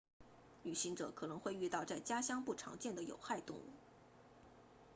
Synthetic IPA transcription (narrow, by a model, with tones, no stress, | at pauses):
ly˨˩ɕi˧˥ŋʈ͡ʂɤ̰˨˧˥kʰɤ˨˩nɤ˧˥ŋxwe˥˧ɪy˥˧t̪ɑ˥˧ʊt͡sa˥˩ɪt͡ɕja˥ɕjɑ˥ŋpu˥˩ʈ͡ʂʰɑ̰˧˥ŋt͡ɕjɛ˥˩nd̪ə˩jo̰˨˩ʊxa˥˧ɪt̪ʊ̰˥˧ŋṵ˥˩